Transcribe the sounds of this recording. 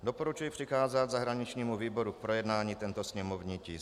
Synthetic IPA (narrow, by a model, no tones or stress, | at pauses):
d̪ɔpoɾut͡ʃujipr̝̥ixaːzad̪zaɦɾaɲit͡ʃɲiːmuviːboɾuk̚pɾojɛd̪naːɲiːt̪ɛnt̪ɔsɲɛmɔvɲiːciː